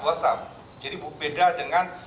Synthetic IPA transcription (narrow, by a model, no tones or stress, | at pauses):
asam | d͡ʒadibəbedadəŋan